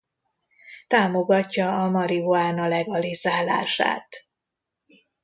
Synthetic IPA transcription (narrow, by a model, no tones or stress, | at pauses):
t̪aːmo̞ɡɒcːɒːmɒɾioaːnɒlɛɡɒlizaːla̰ːʃa̰ːt̪